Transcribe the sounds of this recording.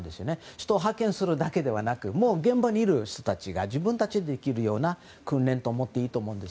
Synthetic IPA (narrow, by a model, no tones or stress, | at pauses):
nd̪e̞sɨjo̞ne̞ɕi̥t̪o̞ːɦakːẽ̞ɰ̃sɨɾɯ̟d̪ake̞d̪e̞βanakɯ̟mo̞ːɡẽ̞mbaɲ̟iːɾɯ̟ɕi̥t̪o̞t̪at͡ɕiɡaʑibɯ̟̃nt̪at͡ɕid̪eekʲiɾɯ̟jo̞ːna | kɯ̟̃nɾẽ̞nt̪o̞ːmo̞t̪ːe̞iːt̪o̞ːmõ̞ːnd̪es